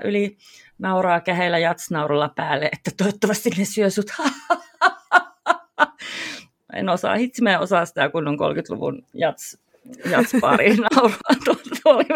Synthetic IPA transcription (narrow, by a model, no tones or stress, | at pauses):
ʔylinɑurɑːkæhelːæjɑt̪snɑurolːɑpæːlːeʔet̪ːæt̪oot̪ːoʋɑst̪innesyøsut̪hɑɑɑɑɑ | ḛnosɑ̰ˑhit̪simæːo̰sɑˑssit̪ækunːoŋko̰lkyt̪lṵʋṵnjɑt̪s | jɑt̪spɑ̰rinɑuroɑt̪ut̪oli